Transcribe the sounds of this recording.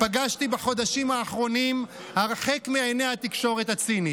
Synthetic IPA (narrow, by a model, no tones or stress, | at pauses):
paɡaʃt̪ibaχo̞d̪aʃimaːχʁo̞nim | haʁχe̞kmiajnehat̪ikʃo̞ʁet̪at͡sini